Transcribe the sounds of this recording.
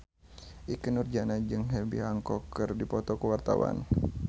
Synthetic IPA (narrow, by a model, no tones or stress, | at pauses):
ʔikənurd͡ʒanad͡ʒɨŋɦɛbḭɦaŋkɔkɨrdipɔt̪ɔkəwart̪a̰wa̰n